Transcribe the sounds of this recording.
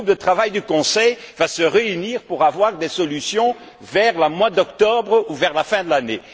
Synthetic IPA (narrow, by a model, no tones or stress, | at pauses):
up̚d̪ət̪χavajd̪ykɔ̃sɛjvasəʁeyniːʁpuʁavwaʁd̪esɔlysjɔ̃ | vɛʁləmwad̪ɔkt̪ɔbʁuvɛʁlafɛ̃d̪əlane